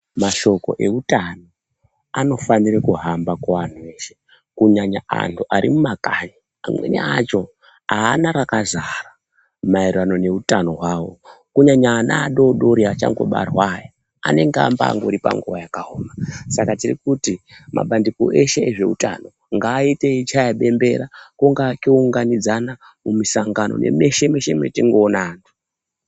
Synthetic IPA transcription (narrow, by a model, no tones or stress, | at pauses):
maʃo̞ko̞̰ʔeutano | ano̞fanirekuɦambakaʋan̤uʋe̞ːʃe̞ | kuɲaɲaa̰ntʰuʔaɾimumakaɲi | amwḛnḛat͡ʃo̞ | aːnaɾakazara | mairano̞ne̞utano̞ɦwaːwo̞kuɲaɲaːnaːɗo̞ɗo̞ɾiat͡ʃa̰ŋɡo̞̰ɓa̰rwaːja | a̰ne̞ŋɡea̰mbaa̰ŋɡoɾipa̰ŋɡuʋajakaɦoːmasakatirḭkutimʔa̰ɓandiko̰ʔeʃe̞ːʐe̞̰uta̰no̞ | ŋɡaːiteit͡ʃajaɓe̞mbe̞ɾakoŋɡakouŋɡanid͡zana | mumisaŋɡano̞̰nʔḛme̞ʃe̞meʃe̞mjetiŋɡoːnaːntʰu̥